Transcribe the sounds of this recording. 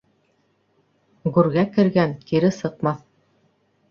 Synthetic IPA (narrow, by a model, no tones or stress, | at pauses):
ɡʉɾɡækɘ̆ɾɡænkiɾɘsɤ̆q̚mɑθ